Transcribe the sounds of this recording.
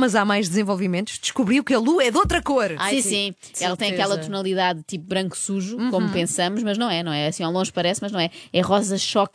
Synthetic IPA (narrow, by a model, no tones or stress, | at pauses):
mɐzamajʒd̪zẽvolˠvimẽnt̪u̥ʒd̪ɨʃkuβɾiukɐlˠuɛðot̪ɾɐkoɾasĩsĩ | ɛlˠɐt̪ɐ̃j̃ɐkɛlˠɐt̪unɐlˠiðaðt̪ipuβɾɐ̃ŋku̥suʒukomupẽsɐmuʃmɐʒnɐ̃w̃ɛnɐ̃w̃ɛɐsĩalˠõʒpɐɾɛsmɐʒnɐ̃w̃ɛɛʁɔzɐʃɔk